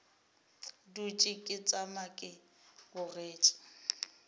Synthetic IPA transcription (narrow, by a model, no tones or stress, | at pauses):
dut͡ʃʼɪkʼɪt͡sʼamakʼɪ | ɣʊreːt͡ʃʼɪ̥